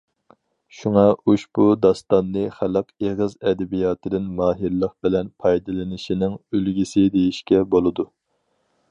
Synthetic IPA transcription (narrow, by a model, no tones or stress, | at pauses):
ʃuŋɑʔuʃb̥ud̪ɑst̪ɑnːɨχælˠəqeʁəzɛd̪ɪbijɑːt̪ʰɨd̪ɪnmɑːɦɨɾlˠəqbɪlɛnpʰɑjd̪ɨlˠɨnɪʃinɪŋølɡʲisɪd̪ejiʃkʲɛbolˠɨd̪u